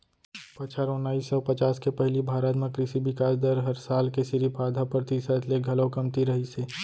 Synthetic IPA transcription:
pɐt͡ʃʰaɾonaːisɔpɐt͡ʃaːskepɛɦlibʱaːɾət̪mẽkɾɪsibɪkaːsd̪əɾɦɐɾsaːlkesɪɾipʰaːd̪ʱapɾət̪iːsət̪ʰleɡʱɐlokɐmt̪iɾɐɦiseː

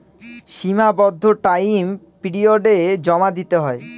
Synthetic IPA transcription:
ʃimabɔd̪ʱːoʈajm | piɖioɖed͡ʑɔmad̪it̪eɦɔe

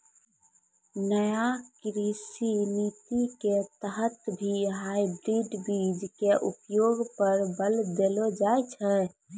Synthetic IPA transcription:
nəjakɾisinit̪iket̪əɦət̪bʱiɦaibɾiɖbid͡ʒkeʔupjoɡpəɾbəld̪elod͡ʒaɛt͡ʃʰɛ

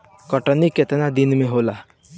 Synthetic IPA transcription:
kəʈəniket̪nad̪inmẽɦola

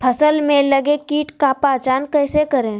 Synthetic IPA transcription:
pʰɐsəlmẽlɐɡekiːʈkapaːt͡ʃaːnkɛːsekɐɾẽ

